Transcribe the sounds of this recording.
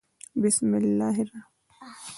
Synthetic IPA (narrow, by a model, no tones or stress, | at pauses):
bɪsmɪlːaːɦiɾa